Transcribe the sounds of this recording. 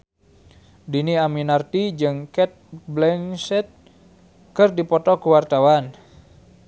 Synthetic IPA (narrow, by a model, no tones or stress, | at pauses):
diniaminart̪id͡ʒɨŋkɛt̪̚blɛŋsɛt̪̚ | kɨrdipɔt̪ɔkuwart̪awan